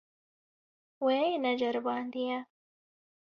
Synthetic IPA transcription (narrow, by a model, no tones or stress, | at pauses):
weːnɐd͡ʒɐɾbaːnd̪ija